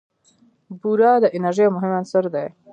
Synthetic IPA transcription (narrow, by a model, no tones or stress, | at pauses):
buɾɑːd̪əʔɪnaɾʒejmʊɦɪmansəɾd̪ej